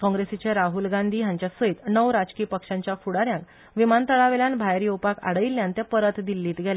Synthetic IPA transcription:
kɔ̃ŋɡɾesit͡ɕeɾaɦulɡand̪ʱiːɦjãɲt͡ɕjasəit̪nəwɾad͡zkiːpəkʂãɲt͡ɕjafuɽaɾjãŋk | ʋimant̪əɭaʋeljãnbʱajɾiopaka̰ɽəilːjãnt̪japəɾət̪d̪ilːiːt̪ɡʱɛle

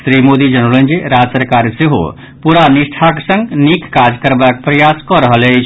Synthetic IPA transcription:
sɾimod̪id͡ʒənolə̃nd͡ʒeɾad͡ʒsəɾkaːɾseɦo̰ | puɾanɪsʈʰaksə̃ŋɡnikːad͡ʒkəɾbak̚pɾəjaskɔɾəɦəle

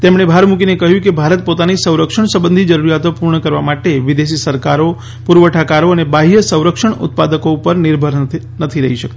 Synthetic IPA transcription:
t̪emɳebʱaɾmũkinekəɦjũkebʱaɾət̪̚pot̪anisə̃wɾəkʃəɳsəbənd̪ʱid͡ʒəɾuɾjat̪opuɾɳəkəɾʋamaʈeʋid̪esisəɾkaɾo | puɾʋəʈʰakaɾoənebaɦijəsə̃w̃ɾəkʃəɳʊ̰t̪̚pad̪əkoupəɾnɪɾbʱəɾ | nət̪ʰiɾəɦiʃək̚t̪i̥

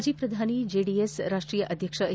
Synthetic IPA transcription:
d͡ʑiːpɾəd̪ʱanid͡ʒeɖiesɾaʂʈɾiːjəʔəd̪ʱjəkʂə

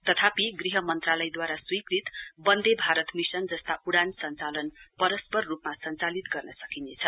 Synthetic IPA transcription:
t̪ʌt̪ʰapiɡriɦʌmʌnt̪ralʌjd̪waɾaswikrit̪bʌnd̪ebʱaɾʌt̪misʌnd͡zʌst̪aʔuɽansʌnt͡salʌnpʌɾʌspʌrːupmasʌnt͡salit̪ɡʌrnʌsʌkinet͡sʰʌ

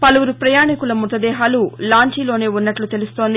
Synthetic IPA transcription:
pɐluʋuɾupɾɐjaːɳikulɐmut̪ɐd̪ɛːɦaːlulaːɲt͡ʃiːlo̞ːne̞ːunːɐʈlut̪e̞lust̪o̞ːnd̪i

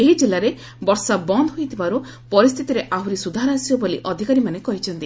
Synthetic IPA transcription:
eɦid͡ʒelaɾe | bɔɾsabɔnd̪ʱɔɦojt̪ʰibaɾu | pɔɾist̪ʰit̪iɾeʔaɦuɾisud̪ʱaɾasijɔboliʔɔd̪ʱikaɾimanekɔɦit͡ʃʰɔnt̪i

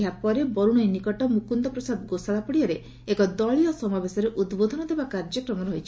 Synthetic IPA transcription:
apɔɾebɔɾuɽ̃ɔjnikɔʈɔmukund̪ɔpɾɔsad̪ɡosaɭapɔɽiɔɾe | ekɔd̪ɔɭiɔsɔmabesɔɾeʔud̪bod̪ʱɔnɔd̪ʱebakaɾd͡ʒɔkɾɔmɔɾɔɦit͡ʃʰi

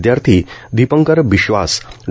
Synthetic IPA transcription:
d̪jaɾt̪ʰiːd̪ipəŋkəɾʋiɕʋa̰s

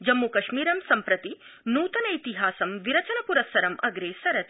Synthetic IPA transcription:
d͡ʒɐmːukɐʃmiːɾɐmsɐmpɾɐt̪i | nuːt̪ɐnɐjt̪iɦaːsɐmʋiɾɐt͡ʃɐnɐpuɾɐsɐɾɐmʔɐɡɾeːsɐɾɐt̪i̥

